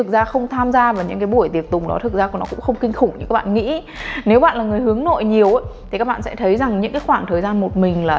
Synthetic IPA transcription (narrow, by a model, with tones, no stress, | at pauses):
ɨ˨˩k̚zaː˧xə˧wŋ͡mt̪ʰaː˧mzaː˧vaː˨˩ɲɨ̰˧˥ŋkaː˨˦jɓu˧˩əjt̪i˨˩ək̚t̪ʊ˨˩ŋ͡mɗɔ̰˨˦t̪ʰɨ˨˩k̚zaː˧u˧˩nɔ˨˦kʊ̰˧˥ŋ͡mxə˧wŋ͡mkï˧ŋ̟xʊ˧˩ŋ͡mɲɨ̰˧kaː˦˥k̚ɓa̰ː˧˨ŋḭ˧˥ | ne˨˦wɓa̰ː˧˨nlaː˨˩ŋɨ˨˩əjhɨ˨˦əŋno̰˧˨jɲi˨˩əwʔə˨˦jt̪ʰi˨˩kaː˦˥ɓa̰ː˧˨sɛ˧˥t̪ʰə˨˦jza˨˩ŋɲɨ̰˧˥ŋkaː˨˦xwaː˧˩ŋt̪ʰəː˨˩jzaː˧nmo˨˩t̚mï˨˩ŋ̟laː˨˩